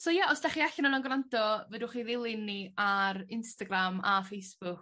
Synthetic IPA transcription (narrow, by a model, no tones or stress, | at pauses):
soːjaʔɔsd̥aχiaɬɪnanɔnɡrantɔvəduχiːðɪlˠɪnːiarɪnstaɡramafejsb̥ʊk